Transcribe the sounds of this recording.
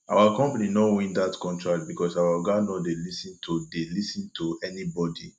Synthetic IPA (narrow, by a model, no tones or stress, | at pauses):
ʔawakɔ̃mpaninɔwĩndatkɔ̃ntɹakt̚bikɔsawaɔɡanodelisĩntʰudelisĩntʰuɛnibɔdi